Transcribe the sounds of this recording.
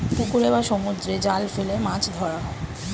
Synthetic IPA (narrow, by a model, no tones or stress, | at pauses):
pukuɾebaʃɔmud̪ɾed͡ʑalfelemãt͡ɕʰd̪ʱɔɾaɦɔe